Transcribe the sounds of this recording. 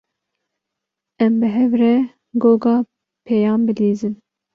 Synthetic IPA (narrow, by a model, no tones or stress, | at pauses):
ɛmbɨɦɛvrɛ | ɡoːɡɑː | pʰɛjɑːmbɨliːzɨn